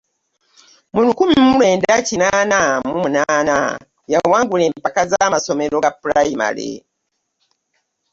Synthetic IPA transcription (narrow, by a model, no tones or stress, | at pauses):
mulukumimulweːndacinaːnamumunaːna̰ | jawaːŋɡule̞ːmmpakazamaso̞me̞ɾo̞ɡapuɾajima̰lḛ